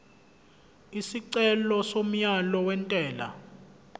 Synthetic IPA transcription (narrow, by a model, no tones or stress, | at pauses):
isiǀɛlɔsom̩jalɔwɛntʼɛːla̰